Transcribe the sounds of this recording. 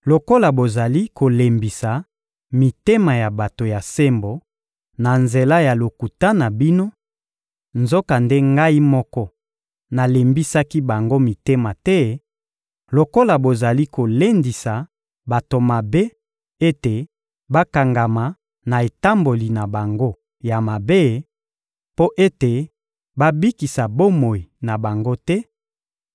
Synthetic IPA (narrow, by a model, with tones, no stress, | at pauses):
lo˨ko˦la˨bo˨za˨li˦ko˨le˨mbi˨sa˨ | mi˨te˦ma˨ja˨ba˨to˨ja˨se˦mbo˨ | na˨nze˨la˦ja˨lo˨ku˨ta˦na˨bi˦no˦ | nzo˦ka˨nde˦ŋɡa˦i˦mɔ˦kɔ˦ | na˨le˨mbi˦sa˦ki˦ba˨ŋɡo˦mi˨te˦ma˨tɛ˦ | lo˨ko˦la˨bo˨za˨li˦ko˨le˦ndi˨sa˨ | ba˨to˨ma˨be˦ | e˦te˨ | ba˦ka˨ŋɡa˨ma˨ | na˨e˨ta˦mbo˨li˨na˨ba˨ŋɡo˦ | ja˨ma˨be˦ | po˦ʔe˦te˨ | ba˦bi˦ki˨sa˨bo˦mo˨i˨na˨ba˨ŋɡo˦tɛ˦